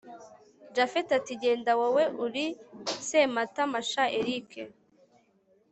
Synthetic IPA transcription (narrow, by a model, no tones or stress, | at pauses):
d͡ʒafetatiɟeːndawaweʔuɾisematamaʃaeɾikʰe